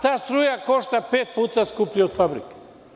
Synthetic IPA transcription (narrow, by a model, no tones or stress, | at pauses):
t̪aːst̪ɾujakoʃt̪apeːt̪̚put̪askupliot̪fabɾḭk